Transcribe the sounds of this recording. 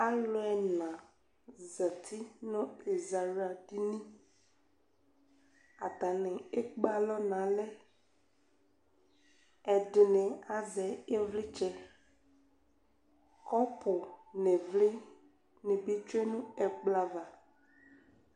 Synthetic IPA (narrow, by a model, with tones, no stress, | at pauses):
a˦lʊ˦ɛ˨nã˨ | za˨t̪ʰi˦nɔ̃˦e˨za˨ɾa˨di˦nĩ˦ | a˨t̪a˨nɪ̃˨e˦k͡pa˦lɔ˦nã˨lɛ˦ | ɛ˨dɪ˨nɪ̃˨a˨zɛ˨e˦vlɪ˦t͡ʃɛ˦ | kɔ˦pʊ˨ne˨vlɪ˦ | nɪ̃˨be˦t͡ʃu˦e˦nũ˦ɛ˨k͡pla˨va˨